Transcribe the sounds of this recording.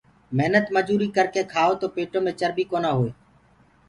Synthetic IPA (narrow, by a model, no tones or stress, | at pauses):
meɦnət̪məd͡ʒuːɾiːkəɾkeːkʰaːoːt̪oːpeːʈõːmẽːt͡ʃəɾbiːkoːnaːɦoːeː